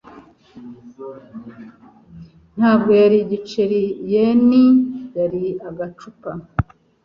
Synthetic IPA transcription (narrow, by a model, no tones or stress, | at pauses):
n̥haːbɡo̞jaɾiɟit͡ʃeɾijenijaɾiaɡat͡ʃupa